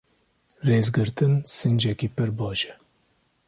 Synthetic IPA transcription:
reːzɡɨɾt̪ɨnsɨnd͡ʒɛkiːpɨɾbɑːʃɛ̥

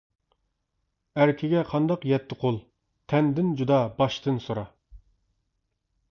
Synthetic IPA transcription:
æɾkʲʰɪɡʲɛqʰɑnd̪ɑqjɛt̪ʰːɪqʰolˠ | t̪ʰɛnd̪ɪnd͡ʒud̪ɑbɑʃt̪ɨnsoɾɑ

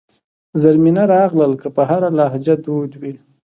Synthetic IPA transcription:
zaɾminaɾɑɣləlkəpəɦaɾalɑhd͡ʒad̪od̪wi

